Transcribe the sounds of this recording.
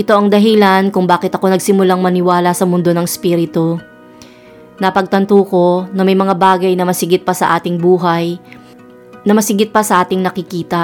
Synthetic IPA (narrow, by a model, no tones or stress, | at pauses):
ʔɪt̪o̞ʔɐŋd̪ɐɦɪlankʊŋbaːkɪt̪ɐko̞nɐɡsɪmʊlaŋmɐnɪwaːlɐsɐmʊnd̪o̞nɐŋɛspiːɾɪt̪o | nɐpɐɡ̚t̪ɐnt̪uːko̞nɐmɐjmɐŋabaːɡɐjnɐmɐsɪɡɪt̪̚pɐsɐʔaːt̪ɪŋbuːɦɐj | nɐmɐsɪɡɪt̪̚pɐsɐʔaːt̪ɪŋnɐkɪkiːt̪ɐ